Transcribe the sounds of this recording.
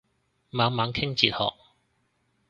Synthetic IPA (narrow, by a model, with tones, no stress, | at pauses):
maː˨˧ŋmaː˨˧ŋkʰɪ˥ŋt͡siː˧t̚hɔ̰ː˨k̚